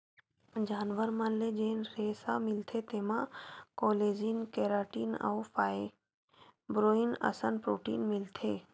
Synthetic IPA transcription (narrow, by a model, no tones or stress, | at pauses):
d͡ʒaːnʋəɾmənled͡ʒeːnɾeːsamɪlt̪ʰet̪eːmãkɔːleːd͡ʒiːnkeːɾaːʈiːna̰wfʰaːe | bɾoːɪnɐ̰sənpɾo̰ːʈḭːnmɪlt̪ʰeː